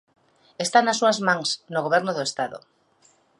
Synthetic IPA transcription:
est̪anasːuazmãŋsnoɣoβɛɾnoðoest̪aðo̰

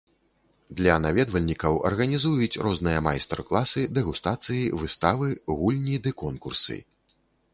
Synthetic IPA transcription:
d̪lʲɐnavʲɛd̪vɐlʲnʲikɐwɐ̰rɣɐnʲizujut͡sʲrʔɔznɨjɐma̰jst̪ɛ̰rklˠasɨd̪ɛɣust̪at̪sɨjivɨst̪avɨɣulʲnʲid̪ɨkɔnkursɨ̰

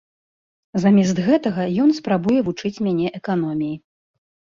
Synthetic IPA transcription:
zamʲɛs̬t̪ɣɛt̪ɐɣɐjɔnspɾabujɛvut͡ʂɨt͡sʲmʲanʲɛʔɛkanɔmʲiji

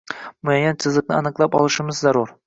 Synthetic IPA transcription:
mʊajːansʰɪzlˠɨk̚nɪanɨqlˠapɒ̰lˠɨʃɪmɪzːaɾʊɾ

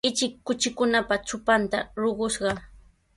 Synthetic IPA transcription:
ɪt͡ʃɪkːʊt͡ʃɪkʊnapat͡ʃʊpant̪a̰ɾoɢʊʃɢɑ

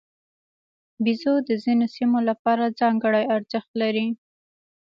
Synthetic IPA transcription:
bizod̪əzinosimolapɑɾad͡zɑŋɡəɽajaɾzəxt̪laɾi

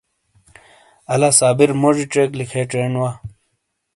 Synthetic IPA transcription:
ɐlasaːbiɾmoʐiʈ͡ʂeːklikʰeʈ͡ʂeːnwa

